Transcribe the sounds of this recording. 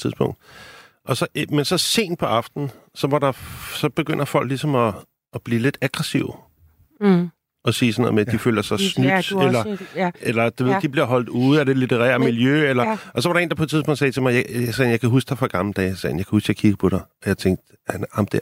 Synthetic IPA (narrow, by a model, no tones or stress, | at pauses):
t͡sʰiðˠspʰɔ̽ŋ̰d̥ | ʔɒ̽sɒ̽ʔmensɒ̽se̝̰ːnd̥pʰɒ̽ɑ̈fd̥n̩sɒ̽ʋɑ̈ɾɑ̈sɒ̽b̥e̝ɡ̥øn̰ɐfɒ̽l̰ɡ̥lisɒ̽mɒː | b̥liːle̝d̥æɡ̥ʁɛsiʊ | ɒ̽siːsɒnoð̩̰ˠmed̥ifø̰ːlɐsɑ̈ɪsny̥elɐelɐd̥uʋe̝ð̰ˠd̥ib̥liɐ̰ɦɒ̽l̰d̥uð̩ˠæd̥e̝lit͡sʰeʁɛ̰ːɐmiljøelɐʔɒ̽s̬ɒʋɑ̈ɾɑ̈e̝ːnd̥ɑpʰɒ̽e̥t͡sʰiðˠspɔ̽ŋ̰d̥sɛːt͡sʰe̝mɑ̈ɪjsɛːnjɑ̈ɪkʰæɦusɡ̥d̥ɑ̈fɑɡ̥ɑ̈ml̩əd̥ɛ̰ːjsɛ̰ːn̩jɑ̈kʰæusɡ̥jɑ̈ɪkʰiɡ̥əpʰɒ̽ɾ̥ɑ̈ɪɒjɑ̈ɪt͡sʰeŋɡ̥̚d̥ | ænɑmd̥e